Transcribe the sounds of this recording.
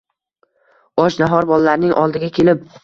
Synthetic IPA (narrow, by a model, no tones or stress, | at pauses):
ɒʃnaɦɒɾbɒlalaɾnɪŋʔɒ̰lˠd̪ɪɡʲakʲʰe̞lɪp̚